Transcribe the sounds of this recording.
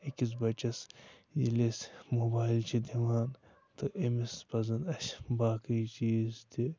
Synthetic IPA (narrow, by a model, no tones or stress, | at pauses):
ikis̬bɐt͡ʃɐsjḭlesmoːbaːjlt͡ʃʰid̪iʋaːn | t̪oʔemispɐzɐnɐʃbaːkit͡ʃiːzt̪i